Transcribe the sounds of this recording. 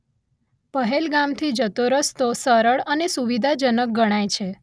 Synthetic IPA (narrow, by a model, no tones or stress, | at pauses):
pəɦelɡamt̪ʰid͡ʒət̪oɾəst̪osəɾəɭənesuʋid̪ʱad͡ʒənək̚ɡəɽ̃ajt͡ʃʰe